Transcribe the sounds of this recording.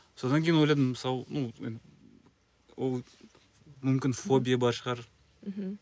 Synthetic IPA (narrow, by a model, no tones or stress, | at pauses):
so̞d̪ɑŋkʲʰeinwo̞jlˠɑjd̪əməsɑwnoḛn | wolˠ | mʏmkʲɪnfo̞bʲijabɑɾʃəʁɑɾ̩ | ɦ̩